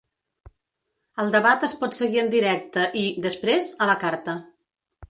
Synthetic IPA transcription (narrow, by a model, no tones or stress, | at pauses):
əlˠd̪əβat̪əspɔt̪səɣiənd̪iɾɛk̚t̪əʔid̪əspɾezələkaɾt̪ə